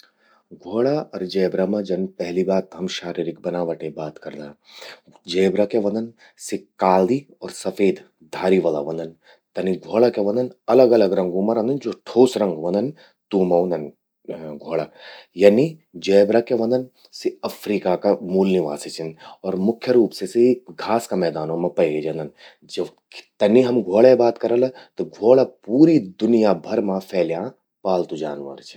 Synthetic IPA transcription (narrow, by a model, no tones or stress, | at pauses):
ɡʱoːɭaɐɾd͡ʒɛːbɾamãd͡ʒɐnpɛɦlibaːt̪ɦɐmʃaːɾiːɾɪk̚bɐnaːʋəʈẽbaːt̪kɐɾd̪a | d͡ʒɛːbɾakeʋɐ̃nd̪ən | sikaːld̪i | ɔːɾsɐfʰeːd̪ | d̪ʱaːɾiʋɐla̰ʋɐ̃nd̪ən | t̪ɐniɡʱoːɭakeʋɐ̃nd̪ənɐləɡɐləɡɾɐ̃ŋɡumɐɾɐ̃nd̪ənd͡ʒoʈʰoːsɾɐ̃ŋɡʋɐ̃nd̪ən | t̪uːmɐwnd̪ən | ɡʱoːɭajɐːnid͡ʒeːbɾɐkeʋɐ̃nd̪ɐn | siɐfʰɾiːkakamuːlniʋa̰ːsit͡ʃʰɐnɔːɾmʊkʰjɐɾuːpsesiiɡʱaːskamɛːd̪aːnõmɐ̃pɐjɡed͡ʒɐnd̪ɐn | d͡ʒɐb | t̪ɐniɦɐmɡʱoːɭebaːt̪kɐɾɐlɐt̪ɐɡʱoːɭɐpuːɾid̪ʊnijabʱɐɾmãfʰɛːljãː | paːlt̪ud͡ʒa̰ːnʋɐ̰ɾt͡ʃʰi̥